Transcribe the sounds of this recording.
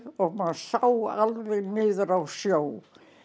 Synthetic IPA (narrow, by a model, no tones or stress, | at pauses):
ɔɣmansawalvɛnɪːðɾawsjow